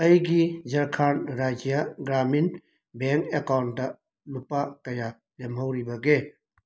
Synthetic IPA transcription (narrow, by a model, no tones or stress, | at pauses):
ɐjɡid͡ʒɐɾkʰanɾad͡ʒijaɡɾamin | beŋkekawntdɐ | lupakɐja | lemɦawɾibɐɡe